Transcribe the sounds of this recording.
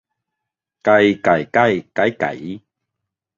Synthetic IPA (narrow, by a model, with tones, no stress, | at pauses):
ka˨jka˨˩jka˥˧jka˨˦jka̰˨j